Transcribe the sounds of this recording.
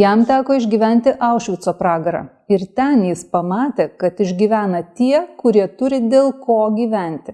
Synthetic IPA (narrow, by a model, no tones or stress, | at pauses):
jɛmt̪ʲæːkoːɪʒʲɡʲiːʋʲɛnʲt̪ʲɪʔɐʊʃʲʋʲɪt̪soːpɾɑːɡɐɾɑ̰ː | ɪɾt̪ʲɛnjɪspɐmɑːt̪ʲeːkɐt̪ɪʒʲɡʲiːʋʲæːnɐt̪ʲiɛkʊɾʲiɛt̪ʊɾʲɪd̪ʲeːlˠkoːɡʲiːʋʲɛnʲt̪ʲɪ